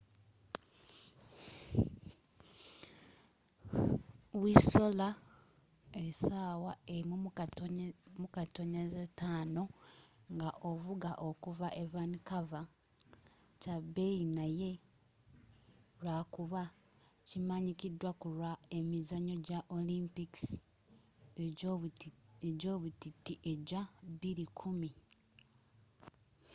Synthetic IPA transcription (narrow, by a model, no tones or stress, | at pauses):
wiso̞la | esaːwaeimu | mukatoɲazetaːno̞ŋɡaʔovuɡaʔokuvaʔevanikava | cabeinaje̞ | lwaːkuβa | cimaɲikidwakulwae̞mizaɲo̞ɟaʔolimpiks | e | eɟo̞ːβutitːiʔeɟaβiɾikʰumi